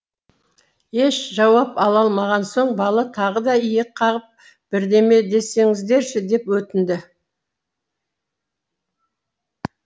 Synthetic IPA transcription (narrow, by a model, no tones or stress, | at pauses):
e̞ʃʒɑwɑpɑlˠɑlˠmɑʁɑnso̞ɴbɑlˠɑt̪ʰɑʁəd̪ɑijekqʰːɑʁəp̚ | b̥ɪɾd̪e̞me̞d̪e̞se̞ŋɪzd̪e̞ɾʃɪd̪e̞pwɵt̪ɪnd̪ɪ